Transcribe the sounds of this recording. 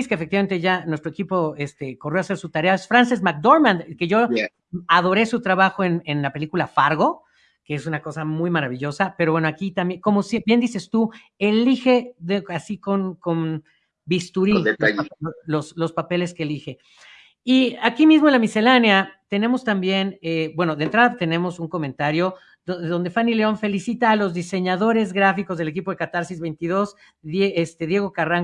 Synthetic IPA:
iskefek̚t̪iβament̪eʝanwest̪ɾoe̞kipo̞e̞st̪e̞ko̞rjo̞ase̞ɾsut̪aɾe̞aesfɾansesmak̚d̪oɾmãnd̪ke̞ʝo̞ | aðo̞ɾe̞sut̪ɾaβaxo̞e̞ne̞nlape̞likulafaɾɣo̞ | keesunako̞samujmaɾaβ̞iʝo̞sapeɾoβwe̞noakit̪ambjeko̞mosbje̞nd̪ise̞st̪u | e̞lixe̞ðeasiko̞nko̞n | bist̪uɾid̪eaoloslo̞spape̞le̞skeːlixe̞ | iakimizmo̞enlamise̞lanjat̪e̞ne̞mo̞st̪ambje̞nebwe̞noðent̪ɾaðat̪e̞ne̞mo̞suŋko̞mẽnt̪aɾjo̞ | ðo̞nd̪e̞fanile̞o̞nfe̞lisit̪aːlo̞zðise̞ɲaðo̞ɾe̞zɣɾafiko̞zðe̞le̞k̬ipoðekat̪aɾsizβe̞jnt̪iðo̞s | ðeest̪e̞ðjeɣo̞karaŋ

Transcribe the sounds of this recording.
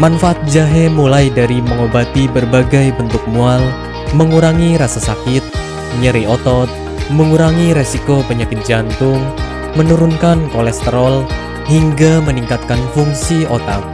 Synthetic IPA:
manfaʔat̪̚d͡ʒaɦemulajdaɾiməŋobat̪ibərbaɡajbənt̪ʊk̚mual | məŋuɾaŋiɾasasakɪt̪̚ | ɲəɾiɔt̪ɔt̪̚ | məŋuɾaŋiɾesikopəɲakɪt̪̚d͡ʒant̪ʊŋ | mənuɾunkankolɛst̪əɾɔl | hiŋɡaməniŋkat̪̚kanfuŋsiot̪a̰k̚

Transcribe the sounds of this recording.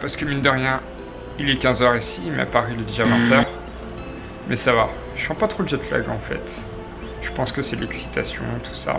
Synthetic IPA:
paʁsə̥kəmĩnd̪əʁjɛ̃ | ilɛkʲɛ̃zœʁisimɛ̰a̰paʁilɛd̪eʒavɛ̃t̪œʁ | mɛsava | ʃɑ̃pat̪χolzɛt̪la̰ɡɑ̰̃fɛ̰t̪ | ʒ̥əpɑ̃skəsɛlɛksi̥t̪asjɔ̰̃t̪ʰu̥sa̰

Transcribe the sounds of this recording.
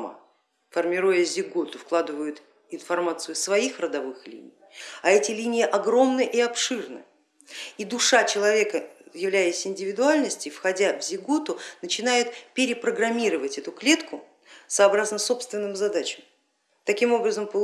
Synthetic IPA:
mə̰ | fərmʲɪɾujəzʲɪɡot̪ʊfklˠad̪ɨvəjʊt̪ | ɪnfɐrmat̪sɨjʊsvɐixrəd̪ɐvɨxlʲḭnʲɪ̰jɐɛtʲɪlʲinʲɪjɪʔɐɡɾo̞mnɨʔiɐpʂɨrnɨ̰ | id̪ʊʂat͡ɕɪlˠɐvʲe̞kəjɪvlʲæjɪsʲɪnʲdʲɪvʲɪd̪ʊalʲnəsʲtʲɪfxɐdʲavzʲɪɡot̪ʊnət͡ɕɪnajɪt̪pʲɪɾʲɪpɾəɡɾɐmʲiɾəvətʲɛt̪ʊklʲe̞t̪kʰʊ | sɐːbɾaznəso̞pst̪vʲɪnːɨmzɐd̪at͡ɕɪm | t̪ɐkʲimo̞bɾəzəmpə

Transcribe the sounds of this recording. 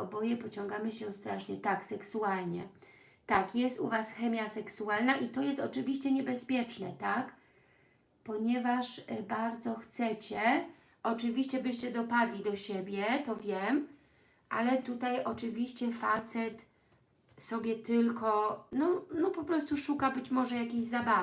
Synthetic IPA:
ɔbɔjɛpɔt͡ɕɔŋɡamɘɕɛst̪ɾaʂɲɛt̪aksɛksualɲɛ̰ | t̪akjɛst̪ṵvasxɛmʲjasɛksualnaʔit̪ɔjɛst̪ɔt͡ʂɘvʲiɕt͡ɕɛɲɛbɛspʲjɛt͡ʂnɛt̪ak | pɔɲɛvaʂbaɾd̪zɔxt̪sɛt͡ɕɛ | ʔɔt͡ʂɘvʲiɕt͡ɕɛbɘɕt͡ɕɛd̪ɔpad̪lʲid̪ɔɕebʲjɛt̪ɔvʲjɛm | ʔa̰lɛt̪ut̪ajʔɔt͡ʂɘvʲiɕt͡ɕɛfat̪sɛt̪ | sɔbʲjɛt̪ɘlkɔnɔnɔpɔpɾɔst̪uʂukabɘt͡ɕmɔʐɛjakʲeʑzabav

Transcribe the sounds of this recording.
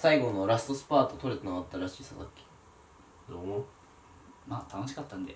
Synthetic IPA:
saiɡo̞no̞ɾasɨ̥t̪o̞sɨ̥paːt̪o̞t̪o̞ɾet̪enoɡat̪ːaɾaɕiːsad̪akʲːi̥ | d̪o | maːt̪ʰano̞ɕi̥kat̪ːãnd̪e

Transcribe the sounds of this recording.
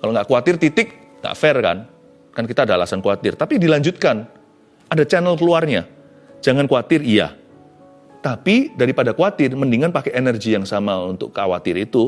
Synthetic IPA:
kaloŋɡaʔkuat̪ɪrt̪it̪ɪk̚ | ŋa̰ʔfɛrka̰n | kankit̪aːdaala̰sankuat̪ɪrt̪apidilaɲd͡ʒut̪̚kan | ʔadat͡ʃanəlkəluarɲa | d͡ʒaŋankuat̪ɪrija̰ | t̪apidaɾipadakuat̪ɪrməndiŋanpakɛʔenərɡijaŋsamaunt̪ʊ̰kkawat̪ɪɾit̪u

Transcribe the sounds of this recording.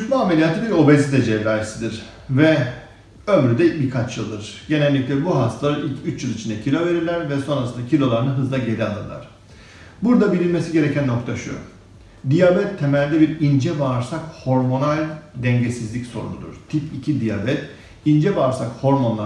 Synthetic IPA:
yt̪lˠuame̞lʲijat̪ʰɯbiɾo̞bezit̪ʰɛd͡ʒɛvɾajesid̪iɾ̥ | vɛ | ømɾyd̪ɛbikʰat͡ʃjɯlˠd̪ɯɾ̥ɟe̞nɛlʲːic̚lʲɛbuɦast̪ʰalˠaɾilcyt͡ʃjɯlˠit͡ʃʰind̪ɛcʰilʲo̞ve̞ɾiɾlʲæɾvɛso̞nɾasɯnd̪acʰilʲo̞lˠaɾɯnɯɦɯzlˠaɟe̞ɾɛalˠɯ̰ɾlˠa̰ɾ̥ | buɾd̪abilʲilʲmesiɟe̞ɾecʰænːo̞k̚t̪ʰaʃɯjo̰ | d̪ijabɛt̪ʰːemɛlʲd̪ɛbiɾind͡ʒɛvaɾsakho̞ɾmo̞nalʲd̪ɛɲɟesizlʲicso̞̰ɾṵnṵd̪ṵɾ̥t̪ʰipicʰid̪ija̰bɛt̪ | ind͡ʒɛvaːɾsakho̞ɾmo̞nlˠa

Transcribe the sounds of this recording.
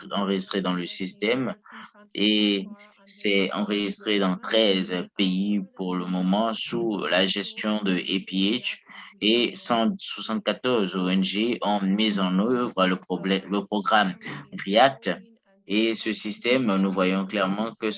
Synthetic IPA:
ɑ̃ʁəʒist̪χed̪ɑ̃ləsist̪ɛm | e | sɛɑ̰̃ʁəʒist̪χed̪ɑ̃t̪χɛzpeipuʁləmɔmɑ̃sulaʒɛst̪jɔ̃d̪əʔepiɛʃesɑ̃swasɑ̃t̪̚kat̪ɔʁzoɛnʒeɔ̃mizɑ̃nøvʁələpɔbləpχɔɡʁamɡʁiat̪ | esəsist̪ɛmnuvwajɔ̃klɛʁmɑ̃kə

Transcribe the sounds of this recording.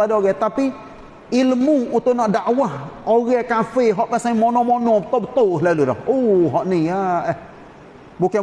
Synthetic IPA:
adɔɡɛt̪api | iləmuut̪onɔʔdaʔwaɔɣɛkanfeɦɔʔmɛ̃saĩmɔnɔ̃mɔnɔ̃bt̪obət̪oɦlalodɔ̰oɦɔʔnĩjaɛ | bokɛ

